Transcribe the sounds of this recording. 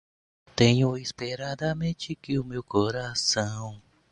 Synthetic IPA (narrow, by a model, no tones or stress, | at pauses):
t̪ẽɲʊispeɾad̪amẽt͡ʃɪkɪʊmewkoɾasɐ̃w̃